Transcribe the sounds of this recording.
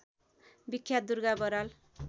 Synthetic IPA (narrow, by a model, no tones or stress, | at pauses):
bikʰjad̪urɡabʌɾal